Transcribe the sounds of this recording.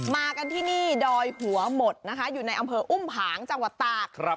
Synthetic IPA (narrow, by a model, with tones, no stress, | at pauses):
maː˧ka˧nt̪ʰiː˥˩niː˥˩dɔː˧jhʰu˩˦ɐmo˨˩t̪̚na˦˥kʰa˦˥juː˨˩na˧jʔa˧mpʰɤː˧ʔu˥˩mpʰaː˩˦ŋt͡ɕa˧ŋwa˨˩t̪ːaː˨˩˦